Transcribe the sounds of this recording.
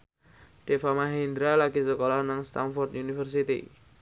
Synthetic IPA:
ɖ̥efamaɦend̪ɾalaɡisəkolɔhnaŋst̪anfɔrt̪̚junifərsit̪ḭ

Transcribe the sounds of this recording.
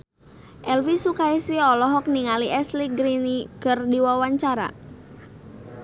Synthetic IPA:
ʔɛlfisukaisiɔlɔɦɔk̚niŋaliʔɛsliɡɾinikərdiwawaɲt͡ʃaɾa̰

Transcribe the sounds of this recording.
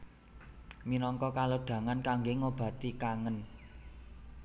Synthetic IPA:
minɔŋkɔkaloɖ̪̥ä̤ŋankaŋɡeŋob̥ä̤t̪ikaŋən

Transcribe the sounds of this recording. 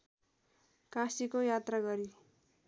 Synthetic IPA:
kãsikojat̪raɡʌɾi

